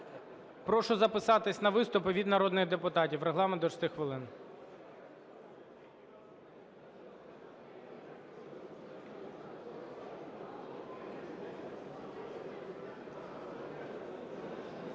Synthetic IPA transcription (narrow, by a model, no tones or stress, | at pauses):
pɾɔʃɔzɐpɪsɑt̪ɪsʲnɐʋɪst̪ʊpɪʋʲid̪nɐɾɔd̪nɪɣd̪epʊt̪ɑtʲiwɾeɦlˠɑmɛnd̪ɔt͡ʃst̪ɪxʋɪlˠɪn